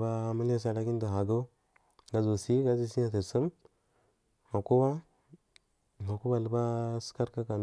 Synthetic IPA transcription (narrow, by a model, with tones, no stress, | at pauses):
ba˦ma˦la˦s̬a˨la˦ki˦n˦da˨a˨ɡa˦ | ɡa˨zo˨si˦ɡa˦zi˦si˦ɲa˦˨t̬ə˨ɾsə˦m | ma˨ku˦ba˦ | ma˨ku˦ba˨lə˨˦ba˦ska˦ɾka˦ka˨n